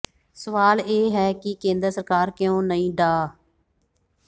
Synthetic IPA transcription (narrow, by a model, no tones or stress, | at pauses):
səʋaːleːɦɛːkɪkẽːnd̪ɾəsəɾkaːɾkɪjõːnəĩːɖaː